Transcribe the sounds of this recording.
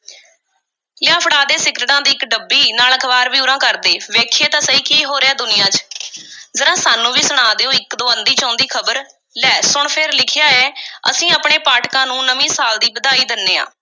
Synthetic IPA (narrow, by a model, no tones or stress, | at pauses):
lɪjaːpʰɽaːd̪eːsɪkɾʈãːd̪iːɪkɖəbːiːnaːləkʰəʋaːɾbiːʊɾãːkəɾd̪eːʋeːkʰeːt̪ãːsəiːkiːɦoːɾeːaːd̪ʊnɪjãːt͡ʃ | zəɾãːsaːnːũːʋiːsʊɳ̃aːd̪eːoːɪkd̪oːənd̪iːt͡ʃãːʊ̃nd̪iːkʰəbəɾ | lɛːsʊɳpʰɪɾlɪkʰɪjaːɛːə̰sĩːaːpɳeːpaːʈkãːnũːnəmĩːsaːld̪iːbəd̪aːiːd̪ɪnːeːã̰ː